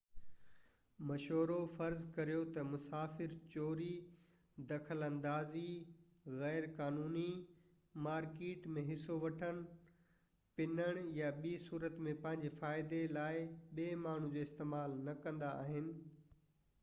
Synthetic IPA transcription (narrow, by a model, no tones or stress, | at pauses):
mɐʃɦoːɾofɐɾzkɐɾijot̪ɐmʊsaːfɪɾt͡ɕoːɾi | d̪ɐkʰəlɐ̃nd̪aːzi | ɣɛːɾkaːnuːni | maːɾkeːʈmẽɦɪsoʋɐʈʰənɪ̆ | pɪnəɽ̃jaɓiːsuːɾət̪mẽpɐ̃ɦɪ̃ɲd͡ʑefaːɪd̪elaːɪɓeːmaːɳ̤ũd͡ʑoːɪst̪eːmaːlnɐkɐ̃nd̪aa̰ːɦɪnɪ̆